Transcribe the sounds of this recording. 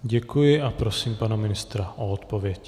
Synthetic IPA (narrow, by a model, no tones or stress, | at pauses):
ɟɛkujɪapɾosiːmpanamɪnɪst̪ɾaʔoɔt̪povjɛc